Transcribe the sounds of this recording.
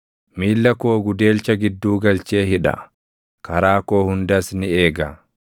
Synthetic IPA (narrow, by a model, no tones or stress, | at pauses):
miːlːɐkoːɡʊd̪e̞ːlt͡ʃɐɡɪd̪ːuːɡɐlt͡ʃeːɦɪᶑɐ̰ | kɐɾaːko̞ːhʊnd̪ɐsnɪeːɡɐ